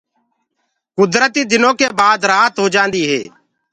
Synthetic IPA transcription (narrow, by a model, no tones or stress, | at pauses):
kʊd̪ɾət̪iːd̪ɪnõːkeːbaːd̪ɾaːt̪ɦoːd͡ʒãːnd̪iːɦḛː